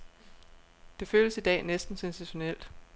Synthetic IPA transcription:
d̥e̝føːləsid̥ɛ̰ːnesd̥n̩sensiɕo̝nel̰d̥

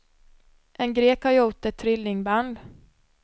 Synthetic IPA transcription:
ʔɛnɡɾeːkhaɾuːt̪ːɛt̪ʰːɾɪlːɪŋband̪

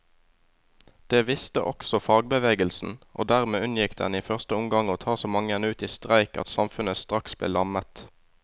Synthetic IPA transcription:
d̪̥eːʋɪst̪ə̰ʔɔ̰ksɔfɑːɡ̚bəʋeːɡəlsn̩ʔo̰ːd̪æʁmeːʉnjɪkd̪ɛ̰niːfœʁst̪əʊmɡɑŋoːt̪ʰɑːsoːmɑŋəɛnʉːt̪iːst̪ʁæɪkɑ̰t̪sɑmfʉnəst̪ʁɑksb̥lḛːlɑmət̪

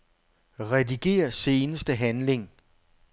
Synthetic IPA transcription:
ʁɛdiɡ̥e̝̰ːɐse̝ːnəsd̥əɦænle̝ŋ

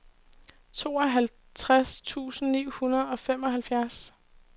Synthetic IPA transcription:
t͡sʰo̝ːɒ̽ɦæl | t͡sʰʁast͡sʰṵːsn̩nḭːhunɐð̞̩ˠɒ̽fem̰ɒ̽ɦælfjæɐs

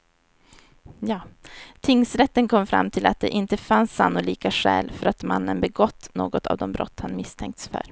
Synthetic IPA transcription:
jɑːt̪ʰɪŋːsɾɛt̪ːənkʰɔmːfɾa̰mːt̪ʰɪlat̪̚d̪ɛʔɪnt̪əfansːanːʊliːkaɧɛ̰ːlfœɾat̪manːənbɛɡɔt̪ːnoːɡɔt̪ʰa̰vd̪ɔmbɾɔ̰t̪ːhanmɪst̪ʰɛŋk̚t̪sfœ̰ɾ

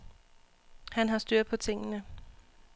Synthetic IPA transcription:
hænɦɑ̈sd̥yɐ̰d̥̚ˠpʰɒ̽t͡sʰe̝ŋ̰ənə

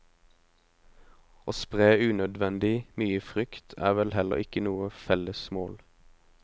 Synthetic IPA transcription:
ʔoːspʁeːʉːnœd̪ʋɛnd̪ɪmyːəfʁʏkt̪ʰæ̰ːʋɛlhɛlə̰ʁɪkənuːəfɛləsmoːl

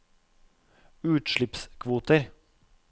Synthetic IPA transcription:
ʉːt̪ʃɭɪpskʰʋuːt̪əɾ

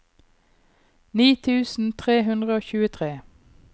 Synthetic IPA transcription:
niːt̪ʰʉːsn̩t̪ʰʁeːɦʉnd̪ʁəoːçʉːət̪ʰʁeː

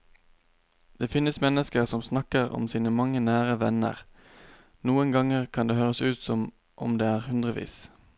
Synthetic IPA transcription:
d̪̥eːfɪnəsmɛnəskəʁsɔmsnɑkəʁɔ̰msiːnəmɑŋənæːʁəʋɛnə̰ʁ | nuːənɡɑŋəʁkʰɑnd̪eːhøːʁəsʉːt̪sɔm | ʔɔ̰md̪eːæːʁhʉnd̪ʁəʋḭːs

